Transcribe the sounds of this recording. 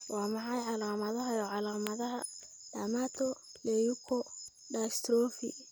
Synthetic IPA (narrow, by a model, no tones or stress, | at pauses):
wɑːmɑħɑjʕɑlaːmɐðɐɦɐjɔʕɑlaːmɐðɐɦɐ | daːmaːt̪ʰɔ | lɛjukʰɔ | ɖast̪ʰɾɔːfḭ